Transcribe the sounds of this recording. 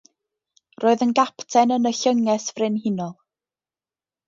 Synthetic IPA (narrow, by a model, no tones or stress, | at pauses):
roːɨðənɡapʰtʰɛnənəɬəŋɛsvrɪnhɪnɔlˠ